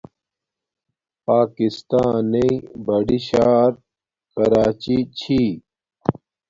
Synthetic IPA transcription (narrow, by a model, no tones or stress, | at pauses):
paːkist̪aːneibɐɖiɕaːɾ | kɐɾaːt͡ɕit͡ɕʰi